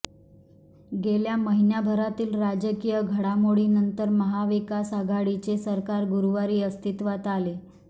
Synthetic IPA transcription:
ɡeljaməɦinjabʱəɾat̪iːlɾad͡ʑəkijəɡʱəɽamoɽiːnənt̪əɾməɦaʋikasaɡʱaɽit͡ɕesəɾkaɾɡuɾuʋaɾiːəst̪ʰit̪ʋat̪ale

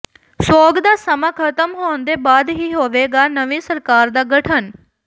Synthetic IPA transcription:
soːɡd̪asəmakʰət̪əmɦond̪ebaːd̪ɦiɦoːʋeːɡanəʋisəɾkaːɾd̪aɡəʈʰən

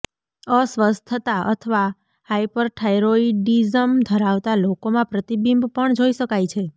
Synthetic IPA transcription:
əsʋəstt̪ʰːət̪aʔə̰t̪ʰəʋa | hajpəɾʈʰajɾoiɖizəmd̪ʱəɾaʋt̪alokomãpɾət̪ibimbpəɳd͡ʒoiʃəkajt͡ʃʰe

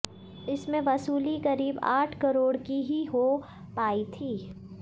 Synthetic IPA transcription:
ɪsmẽʋɐsuːlikɐɾiːba̰ːʈʰkɐɾoːɽkiɦiɦo | paːit̪ʰiː

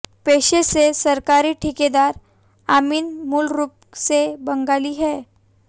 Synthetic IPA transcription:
peːʃesesɐɾkaːɾiʈʰɪked̪aːɾ | aːmiːnmʊlɾuːp̚ | sebɐ̃ŋɡaːliɦɛː

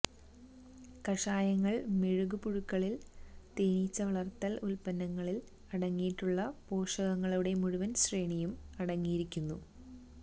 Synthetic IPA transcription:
kɐʂaːjɐŋːɐɭmeɻuɣupuɻukːɐɭilt̪eːniːt͡ɕːɐʋɐɭɐrt̪ːɐlulpɐnːɐŋːɐɭil | ɐɽɐŋːijiʈːuɭːɐpoːʂɐɣɐŋːɐɭuɽe̞muɻuʋɐnɕreːɳijumɐɽɐŋːijiɾikʲːunːu

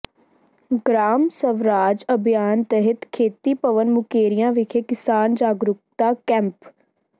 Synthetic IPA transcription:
ɡɾaːmsəʋɾaːd͡ʒəbʱijaːnt̪ɛɦɪt̪kʰeːt̪iːpəʋənmʊkeːɾɪjãːʋɪkʰeːkɪsaːnd͡ʒaːɡɾʊk̚t̪aːkɛ̃mp

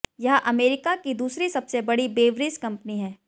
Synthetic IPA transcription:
jɐɦʔɐmeːɾɪkakid̪uːsɾisɐbsebɐɽibeːʋɾɪskɐ̃mpniɦɛː

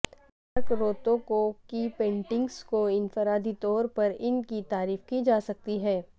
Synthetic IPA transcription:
ɐɾkɾoːt̪õkokipẽːɳʈɪ̃ŋɡskoɪnfəɾaːd̪it̪ɔːɾpɐɾɪnkit̪aːɾiːfkid͡ʒaːsɐk̚t̪iɦɛː

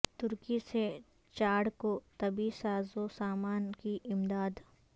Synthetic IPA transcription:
t̪ʊɾkise | t͡ʃaːɽkot̪ɐbisaːzosaːmaːnkiʔɪmd̪aːd̪

